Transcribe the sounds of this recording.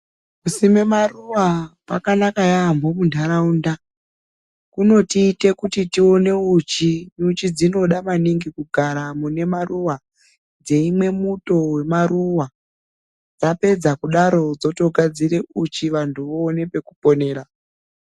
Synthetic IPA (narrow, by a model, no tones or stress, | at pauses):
kusimemaruwapakanakajambomundʱaɾaunda | kuno̞tiːte̞kutitio̞ne̞ut͡ʃimut͡ʃid͡zino̞ɗamaniŋɡikuɡʱaɾamune̞maruwa | d͡ze̞imwe̞muto̞we̞maɾuwa | d͡zape̞d͡zakuɗaɾo̞d͡zo̞to̞ɡʱad͡ziɾe̞ʔut͡ʃiʋantʰuʋoːne̞pe̞kupo̞ne̞ːɾa